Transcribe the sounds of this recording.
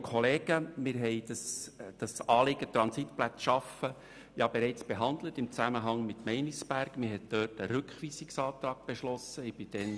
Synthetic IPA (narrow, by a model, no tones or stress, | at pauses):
kʰχɔleːɡ̥əmɪɾɦɛɪd̥ɑsd̥ɑsɑːlɪɡ̥ətɾɑnsit̪plæt͡sʃɑfə | jɑbɛɾɛɪt͡sb̥eɦɑnd̪lətɪmt͡sæməɦɑŋmɪtmɛɪnisb̥æɾɡ̥mɪɦɛt̚d̥œːtəɾʉkχʋiːsiksɑːt̪ɾɑːɡ̥̚b̥eʃlɔsəɪb̥ɪd̥ɛn